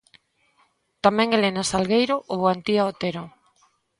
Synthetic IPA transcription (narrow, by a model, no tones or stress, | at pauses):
t̪amɛ̃ŋelenasalɣejɾoʔoβoant̪iaot̪eɾo